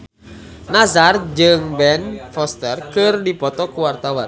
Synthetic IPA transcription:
nasard͡ʒɨŋbɛnfɔst̪ɛrkɨrdipɔt̪ɔkuwart̪awan

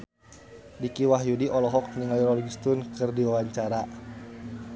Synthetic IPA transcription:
dikiwaɦjudiʔɔlɔɦɔk̚niŋaliɾɔlɡist̪ʊnkɨrdiwawaɲt͡ʃaɾa

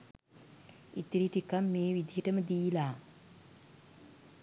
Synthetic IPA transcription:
it̪iɾiʈikamːeːʋid̪iɦeʈəməd̪iːlaː

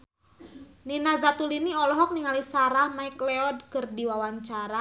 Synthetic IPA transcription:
ninazat̪uliniɔlɔɦɔk̚niŋalisaɾahmaikleɔd̚kɨrdiwawaɲt͡ʃaɾa

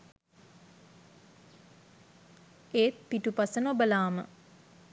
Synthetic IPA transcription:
eːt̪̚piʈupasənobəlaːmə̰

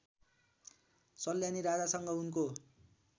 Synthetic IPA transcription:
t͡sʌljaniɾad͡zasʌŋɡʌunko

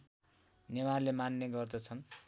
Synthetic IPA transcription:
nemarlemanːeɡʌrd̪ʌt͡sʰʌn

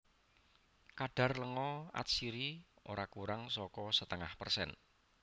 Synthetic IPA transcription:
kaɖ̥a̤rləŋɔa̰t̪̚siɾioɾakuɾaŋsɔkɔsət̪əŋahpərsɛ̰n

